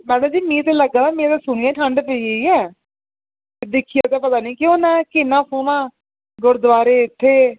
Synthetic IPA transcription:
mɛ̃ːnõːd͡ʒiːmĩːt̪eːləɡat̪aːmĩːt̪eːsʊɳ̃iɛ̃ːʈʰəɳɖpəiːəiːɛː | ed̪ɪkʰijaːt̪eːpət̪aːnĩːkɪõːnɛ̃ːkɪnːãːfʰoːnãː | ɡʊɾd̪ʋaːɾeːɪt̪ʰːeː

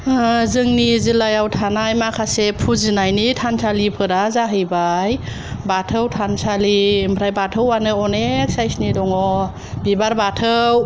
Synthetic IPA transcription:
zɯŋnizilajawtʰanajmakʰasepʰuzɯnajnitʰansʰalipʰɯɾazaɦɯjbaj | batʰɯwtʰansʰalimpʰɾajbatʰəwanɯɔneksajsnidɔŋɔ | bibaɾbatʰɯw

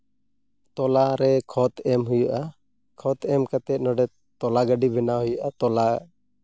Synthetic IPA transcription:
t̪ɔlaɾɛkʰɔt̪ɛmɦujuʔa | kʰɔt̪ɛmkat̪ɛt̪̚ˀnɔɖɛ | t̪ɔlaɡaɖibʱɛnaɦujuʔat̪ɔla

